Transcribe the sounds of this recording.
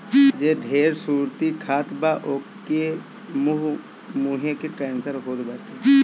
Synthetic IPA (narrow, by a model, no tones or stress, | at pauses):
d͡ʒeːɖʱeːɾsuːɾt̪ikʰaːt̪baʔoke | muɦ | muɦẽkeʈɛ̃ːnsəɾɦoːd̪baːʈeː